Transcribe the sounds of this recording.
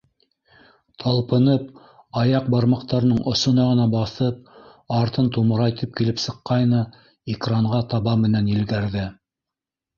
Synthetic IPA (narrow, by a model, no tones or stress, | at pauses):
t̪ʰɑlˠpɤ̆nɤp̚ | ɑjɑq̚bɑɾmɑqt̪ɑɾ̆nɤɴʔŏsŏnɑʁɤ̆nɑbɑθɤp̚ | ɑɾt̪ɤnt̪umɤ̆ɾɑjt̪ʰɘp̚kilɘpsɤ̆qːɑjnɤ | ikraɴʁɑt̪ɑβɑmɘ̆nænjɘ̆lɡæɾðɘ